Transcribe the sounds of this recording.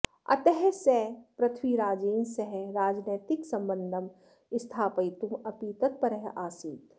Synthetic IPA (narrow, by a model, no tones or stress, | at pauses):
ɐ̰t̪eɦɛseːpɾɐt̪ʰwiɾaːd͡ʒiːnsɐɦɛɾaːd͡ʒneːt̪ɪksɐ̃mbə̃nd̪ʱɐm | ɪst̪ʰaːpɐjt̪umɐpiːt̪ɐt̪̚pɐɾɐɦʔaːsiːt̪